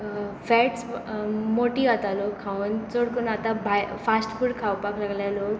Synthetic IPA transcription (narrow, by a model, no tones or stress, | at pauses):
fɛʈsmoʈiat̪alokʰːaunt͡soɽkunat̪abʱajfasʈfuːɽkʰawpaklaɡljaloɡ